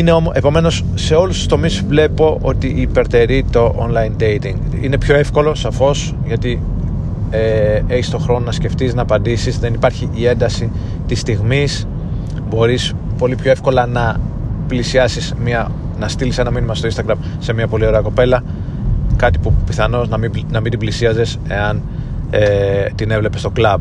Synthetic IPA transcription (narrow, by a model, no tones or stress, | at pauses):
ine̞o̞moʔepo̞me̞no̞sːe̞o̞lust̪u̥st̪o̞misvle̞po̞ʔo̞̰t̪iʔːpe̞ɾt̪e̞ɾit̪o̞ʔonlɐjnd̪e̞jt̪iŋɡ | ḭne̞pçoe̞fko̞lo̞sɐfo̞s | ʝɐt̪i | ee̞çist̪o̞xɾo̞nonɐsce̞ft̪iznɐːpɐnd̪isizðe̞nipɐɾçiʔie̞nd̪ɐsi | t̪ist̪iɣmis | bo̞ɾis | po̞lipço̞efko̞lɐnɐplisiɐsismiɐ | nɐst̪ilisɐnɐminimɐst̪oinst̪ɐɡɾɐm | se̞mɲɐpo̞lio̞ɾeɐko̞pe̞lɐ | kɐt̪i̥pupiθɐno̞znɐminɐmind̪iblisiɐze̞s | e̞̰ɐn | et̪ine̞vle̞pe̞st̪o̞klɐb